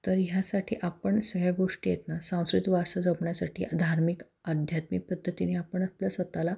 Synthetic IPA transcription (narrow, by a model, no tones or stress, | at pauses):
t̪əɾjasaʈʰḭːʔapəɳsəɡɭjaɡoʂʈijet̪nasãw̃skɾut̪ʋasad͡zəpɳjasaʈʰḭːd̪ʱaɾmik | ad̪ʱjat̪mik̚pəd̪ʱːət̪ineapəɳəpləsʋət̪ala